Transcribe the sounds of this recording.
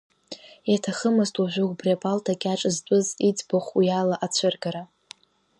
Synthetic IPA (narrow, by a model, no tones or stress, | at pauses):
jatʰaχəmɨstʼwaʒᶣʷʊɡʷbriapʼaltʰakʲʼaʈ͡ʂʼɨzt͡pʷʼʊzit͡sʼbaχʷjalaʔat͡ɕʷʰɨrɡaɾa